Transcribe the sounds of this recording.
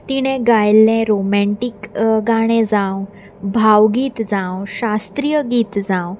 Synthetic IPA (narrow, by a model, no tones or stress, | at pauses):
t̪iɽ̃ẽɡajlːẽɾomɛɳʈikɡaɽ̃ẽd͡zãw | bʱawɡiːt̪d͡zãwɕast̪ɾijəɡiːt̪d͡zãw